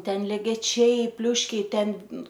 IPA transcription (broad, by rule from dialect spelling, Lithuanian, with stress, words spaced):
ˈtʲɛn lʲɛɡʲɛˈt͡ʃʲɛɪ ˈpʲlʲʊʃʲkʲɛɪ ˈtʲɛn